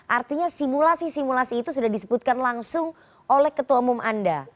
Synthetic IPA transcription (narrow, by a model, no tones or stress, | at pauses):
ʔart̪iɲasimulasisimulasiːt̪usudahdisəbʊt̪̚kanlaŋsʊŋ | olɛhkət̪uwaumumʔa̰nda